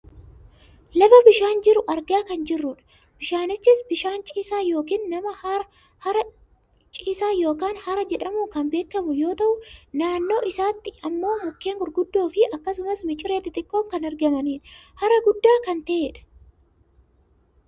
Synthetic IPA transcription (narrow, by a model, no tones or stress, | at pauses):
lɐfɐbɪʃaːnd͡ʒɪɾʊʔɐɾɡaːkɐnd͡ʒɪrːʊᶑɐ̥ | b̥ɪʃaːnɪt͡ʃːɪsbɪʃaːnt͡ʃʼiːsaːjo̞ːkiːnːɐmɐh | hɐɾɐ | t͡ʃʼiːsaːjo̞ːkaːnhɐɾɐd͡ʒɛᶑɐmuːkɐmbe̞ːkːɐmʊjo̞ːt̪ɐʔʊnaːnːo̞ːʔɪsaːt̪ːɪɐmːo̞ːmʊkːe̞ːŋɡʊɾɡʊd̪ːo̞ːfɪʔɐkːɐsʊmɐsmɪt͡ʃʼɪɾeːt̪ɪt̪ɪkːoːŋkɐnɐɾɡɐmɐniːnhɐɾɐɡʊd̪ːaːkɐnt̪ɐʔeːᶑɐ̥